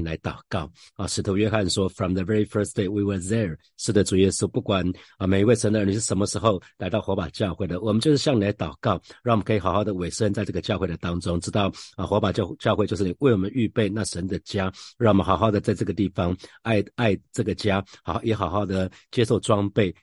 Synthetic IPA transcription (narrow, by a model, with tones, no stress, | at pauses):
la˧˥ɪt̪ɑ˨˩ʊkɑ˥˩ʊə˨ʂɻ̩˨˩t̪ʰu˧˥ɥɛ˥xa˥˨nʂwɔ˥fɹɔ˨mðə˨vɛ˥ɹi˨fə˥˧sd̥̪e˥˩ɪwi˨wə˞˨ðɛ˧˨ | ʂɻ̩˥˩d̪ə˨ʈ͡ʂu˨˩jɛ˥su˦pu˥˩kwa˨˩n˧˩me˨˩ɪi˧we˥˩ɪʂə˧˦nd̪ə˧ə˧ni˨˩ʂɻ̩˥˩ʂə˧˥mə˧ʂɻ̩˧˥xo˥˧ʊla˧˥ɪt̪ɑ˥˩ʊxɔ˧˥pa˨˩t͡ɕjɑ˥˧ʊxwe˥˩ɪd̪ə˩wɔ˨˩mə˦nt͡ɕjo˥˧ʊʂɻ̩˥˩ɕjɑ˥˨ni˨la˧˥ɪt̪ɑ˨˩ʊkɑ˥˩ʊɻɑ˥˩wmə˦˧kʰi˨˩xɑ˨ʊxɑ˥˩ʊd̪ə˩we˨˩ɪʂə˥nt͡sa˥˧ɪʈ͡ʂɤ˥˩ɡə˨˩t͡ɕjɑ˥˧ʊxwe˥˩ɪd̪ə˩t̪ɑ˥ŋʈ͡ʂʊ˥ŋʈ͡ʂɻ̩˥t̪ɑ˥˩ʊə˨˩xwɔ˧˥pa˨˩t͡ɕt͡ɕjɑ˥˧xwe˥˧t͡ɕjo˥˧ʂ̩˥˩ni˨˩we˥˩wɔ˨˩mə˦ny˥˧pe˥˧ɪna˥˩ʂə˧˦˥nd̪ə˨t͡ɕja˥ɻŋwɔ˨˩mə˦nxɑ˨˩ʊxɑ˥˩ʊd̪ə˩t͡sa˥˧ɪʈ͡ʂɤ˥˩ɡə˩t̪i˥˩fɑ˦ŋa˥˧ɪa˥˩˧ɪʈ͡ʂɤ˥˩ɡə˩t͡ɕja˥xjɛ˧˥xɑ˨˩ʊxɑ˥˩ʊd̪ə˩ | t͡ɕjɛ˥ʂo˥˩ʊʈ͡ʂwɑ˥ŋpe˥˩ɪ